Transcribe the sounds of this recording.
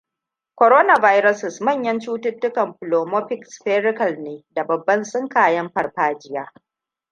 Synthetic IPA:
kʷo˨ɾoː˦na˨vaː˦jɾɐ˦sɪ˨smɐ˦˨ɲjɐ˦nt͡ʃuː˦tʊ˦tːʊ˦kɐ˨mɸʊ˨loː˨mo˦ɸɪ˨ksɸeː˦ɾɪ˦kɐ˨lneː˨da˨bɐ˨bːɐ˦nsʊ˦ŋkaː˨jɐ˦mɸɐ˨rɸaː˦d͡ʒɪ˦jaː˦

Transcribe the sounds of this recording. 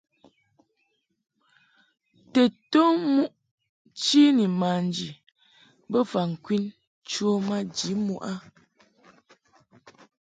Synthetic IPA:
tɛ˨to˦mu˦ʔ | t͡ʃi˦ni˨ma˨n˨d͡ʒi˨ | bə˦fa˨ŋ̩˨kwi˦n | t͡ʃo˦ma˦d͡ʒi˨˦mu˦ʔa˦

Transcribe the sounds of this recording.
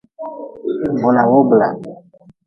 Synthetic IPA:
bo˨la˨wo˦bla˨

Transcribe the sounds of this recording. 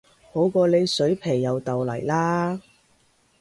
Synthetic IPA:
ho˨˥wkɔː˧le˨˧jsɵ˨˥ɥpʰe˨˩jːɐ˨wt̪ɐ˨wlɐ̰˨˩jlaː˥

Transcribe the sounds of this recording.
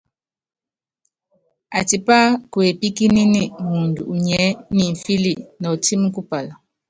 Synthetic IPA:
a˨ti˨pa˦kwe˨pi˦ki˦ni˦ni˦mu˨ndu˨u˨ɲɛ˨˦ni˨ɱ̩˨fi˦li˦˨nɔ˨ti˦mu˦ku˦pa˨la˨

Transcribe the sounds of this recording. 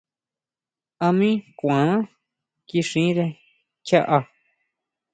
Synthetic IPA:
a˧mĩ˦kʷã˨˦ã˦ | ki˧ʂĩ˨˦ɾe˧ | t͡ʃa˦ʔa˧

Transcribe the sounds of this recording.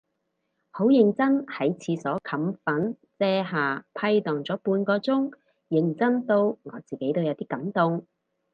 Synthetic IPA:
ho˨˥wjɪ˨˧ŋt͡sɐ˥nhɐ˨˥jt͡sʰiː˨˧sɔː˨˥kʰɐ˨˥mfɐ˨˥n | t͡sɛː˧ɦaː˨˩pʰɐ˧jt̪ɔː˨˩ŋt͡sɔː˨˥puː˧nkɔː˧t͡sʊ˥ŋ | jɪ˨˧ŋt͡sɐ˥nt̪o˧wŋɔ̰ː˨˧t͡siː˨ke˨˥jt̪o˥wjɐ˨˧wt̪iː˥kɐ˨˥mt̪ʊ˧ŋ

